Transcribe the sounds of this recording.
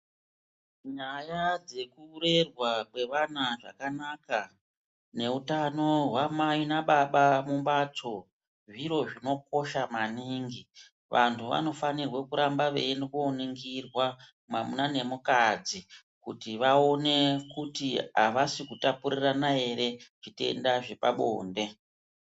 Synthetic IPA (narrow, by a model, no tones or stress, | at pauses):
ɲajad͡ze̞kuːɾe̞rwakwe̞ʋanaʐa̰kanaka | ne̞utano̞ɦwamainaɓaɓamumbat͡so̞ | ʐiɾo̞ʐino̞k̚o̞ʃamaniŋɡi | ʋantʰuʋa̰no̞fanirwekuɾambaʋḛnkoniŋɡirwa | mamunane̞mukad͡zi | kutiʋaone̞kutia̰ʋasikutapuɾiranae̞ɾe̞ʐ̥ite̞̰ndaʐe̞pa̰ɓo̰ːnde̞